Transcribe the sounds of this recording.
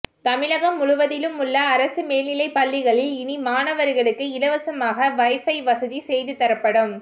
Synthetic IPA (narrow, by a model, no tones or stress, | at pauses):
t̪ɐmɪɭɐɣɐmːʊɻʊʋɐðɪlɯmʊɭːɐːɾɐsɯmeːlɪlɐɪpːɐlːɪɣɐɭɪlɪnimaːnɐʋɐɾɪɣɐɭɯkːɯɪlɐʋɐsɐmaːɣɐʋɐɪfɐɪʋɐsɐðisɛjðɯt̪ɐɾɐpːɐɽɯm